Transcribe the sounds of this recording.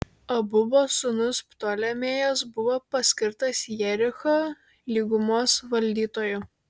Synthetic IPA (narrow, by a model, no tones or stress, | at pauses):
ɐbʊboːsʊnʊspt̪oːlʲɛmʲeːjɛs̬bʊʋoːpɐsʲkʲɪɾt̪ɐsjɛɾʲɪxoː | lʲiːɡʊmoːsʋɐlʲd̪ʲiːt̪oːjʊ